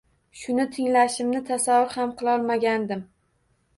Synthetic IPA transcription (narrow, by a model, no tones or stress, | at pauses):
ʃʊnɪt̪ʰɪŋlaʃɪmnɪt̪ʰasavːʊɾhamqʰɨlˠɒlˠmaɡʲand̪ɪm